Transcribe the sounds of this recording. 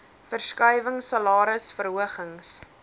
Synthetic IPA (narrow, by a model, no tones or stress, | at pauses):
fərskœjvəŋsɐlɑːɾəsfərɦuəχəŋs